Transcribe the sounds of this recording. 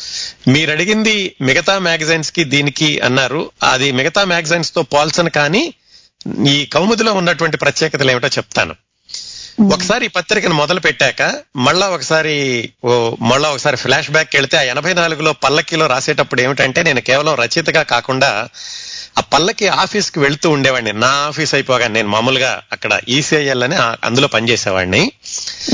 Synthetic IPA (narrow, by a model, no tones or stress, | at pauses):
miːɾɐɽiɡind̪imiɡɐt̪aːmaːɡɐzjnskid̪iːnikiɐ̰nːaːɾuɐ̰d̪imiɡɐt̪aːmaːɡzɐjnst̪o̞ːpaːlsɐnkaːniː | iːkɐwmɐd̪ilo̞ːunːɐʈuʋɐɳʈipɾɐt̪jɛːkɐt̪ɐle̞ːmiʈoːt͡ʃɛp̚t̪a̰ːnṵ | ɔkɐ̥saːɾipɐt̪ːɾikɐnimɔd̪ɐlupɛʈːaːkɐmɐɭːaːɔkɐsaːɾi | mɐɭːaːɔkɐsaːɾipʰlaːʂbaːkːeɭit̪e̞ːaːɛnɐbʱɐjnaːluɡulo̞ːpɐlːɐkilo̞ːɾaːseːʈɐpːuɽeːmiʈɐɳʈeːne̞ːnukɛːʋɐlɐmɾɐt͡ʃit̪ɐŋɡaːkaːkuɳɖaː | aːpɐlːɐkiaːpʰiːskiʋe̞ɭut̪uːuɳɖɛːʋaːɳninaːaːpʰiːsɐjpɔːɡaːnine̞ːnumaːmuluɡa̰ːɐkːɐɽɐ̰ʔiːsiɐjɐlːɐniɐ̰nd̪ulo̞ːpɐnit͡ʃɛːsɛːʋa̰ːɳni